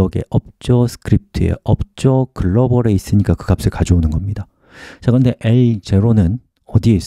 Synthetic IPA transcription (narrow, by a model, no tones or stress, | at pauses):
ʌɡe̞̰ʔʌp̚t͡ɕ͈ʌsʰɯ̥kʰɯɾip̚tʰɯe̞̰ʌp̚t͡ɕ͈ʌkɯɭːʌbʌɾeis͈ɯɲik͈akɯɡap̚s͈ɯkad͡ʑoonɯnɡʌmɲida | t͡ɕakɯɯnde̞ʔeit͡ɕe̞ɾonɯn | ʌdie̞is͈